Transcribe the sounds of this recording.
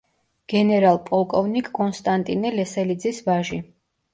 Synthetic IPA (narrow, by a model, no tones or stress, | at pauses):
ɡ̥ɛnɛɾalˠpʼɔlˠkʼɔvnikʼkʼɔnst̪ʼant̪ʼinɛlɛsɛlid̪zisvaʒi